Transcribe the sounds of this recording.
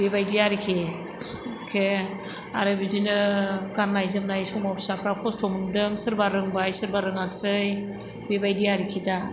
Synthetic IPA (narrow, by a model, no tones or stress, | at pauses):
bebajdijaɾikʰe | kʰe | a̰ɾɯbidinɯɡanːajzɯmnajsɔmapʰi̥sapʰɾapʰɔstʰɔmɯndɯŋsɯɾbaɾɯŋbajsɯɾbaɾɯŋak̚sɯj | bebajdijaɾikʰida